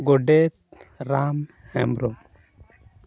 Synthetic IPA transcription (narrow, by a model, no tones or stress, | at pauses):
ɡɔɖet̪̚ɾam | hɛ̰mɾɔm